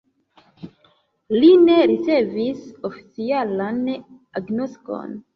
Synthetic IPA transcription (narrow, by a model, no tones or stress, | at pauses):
lineɾit͡sevisofi̥t͡sialan | aɡnosko̞̰n